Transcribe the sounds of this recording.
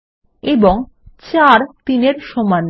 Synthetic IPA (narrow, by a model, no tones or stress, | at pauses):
eboŋ | t͡ɕaɾt̪ineɾʃɔman